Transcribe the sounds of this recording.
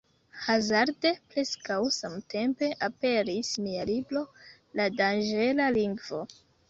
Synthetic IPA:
hazaɾde̞pɾe̞skawsamte̞mpe̞ʔape̞ɾismialibɾo̞ | ladanʒelaliŋɡvo̞

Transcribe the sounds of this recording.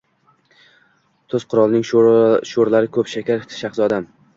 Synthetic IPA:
t̪ʰoz̥qʰʊɾɒlˠnɪŋʃoɾlaɾɪkʰɵpʃakʲʰaɾʃaχsɒd̪am

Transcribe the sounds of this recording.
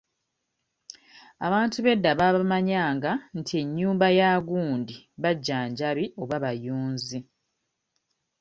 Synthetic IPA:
a̰βaːntuβe̞dːaβaβaamaɲaːŋɡantʰie̞ɲːuːmbajaːɡuːndiβaɟːaːɲɟaβio̞βaβajuːnzi

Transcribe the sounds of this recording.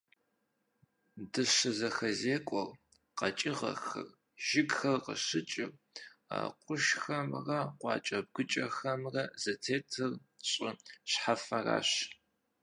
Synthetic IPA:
dɨɕɐzɐxɐzeːkʷʼɔr | qɐt͡ʃʼɪʁɐ̰xɐ̰r | ʒ̥ɪɡxɐrqə̰ɕɪt͡ʃʼɪr | a̰ːqʷʊʃxɐmrɐqʷɑ̰ːt͡ʃʼɐb̚ɡʷʊt͡ʃʼɐxɐmrɐz̥ɐtʰeːtʰɨrɕʼɪɕħafɐra̰ːɕ

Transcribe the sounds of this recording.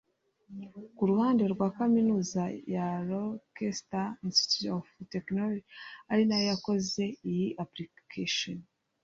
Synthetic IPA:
kuɾuhaːnde̞ɾɡwaːkaminuːzajaɾokestainsti̥tutofteknolod͡ʒiaɾinajojako̞ze̞ijiʔaplikʰeʃon

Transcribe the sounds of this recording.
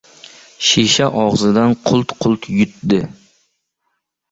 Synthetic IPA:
ʃeʃaʔɑʁzɨd̪anqʰʊlˠt̪qʰʊlˠt̪ʰjʊt̪d̪ɪ

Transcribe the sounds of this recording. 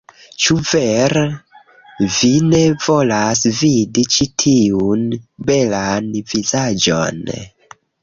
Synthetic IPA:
t͡ʃuveɾ | vinevo̞lasvidit͡ʃitʰiunbe̞lanvizad͡ʒo̰n

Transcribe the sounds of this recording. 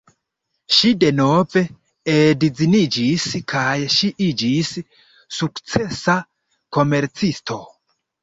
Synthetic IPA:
ʃide̞no̞ve̞ | edid͡zinid͡ʒiskʰajʃiʔid͡ʒisː | ukt͡se̞sa | ko̞me̞ɾt͡sistʰo̞

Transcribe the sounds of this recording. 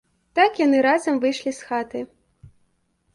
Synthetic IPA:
t̪akjanɨɾazɐmvɨjʂlʲisxat̪ɨ

